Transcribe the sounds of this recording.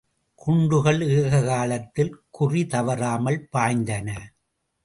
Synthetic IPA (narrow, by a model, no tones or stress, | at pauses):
kʰʊɳɖɯɣɐɭɯːɣɐɣaːɭɐt̪ːɪlkʊrit̪ɐʋɐɾaːmɐɭpaːɪnd̪ɐnɐ